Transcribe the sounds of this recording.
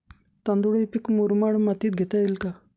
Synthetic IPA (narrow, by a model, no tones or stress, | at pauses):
t̪ãnd̪uɽipikmuɾmaɽmat̪iːt̪̚ɡʱet̪ailka